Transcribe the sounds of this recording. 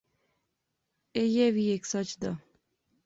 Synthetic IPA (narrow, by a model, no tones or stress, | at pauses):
ejɛʋiːeksʌt͡ʃd̪a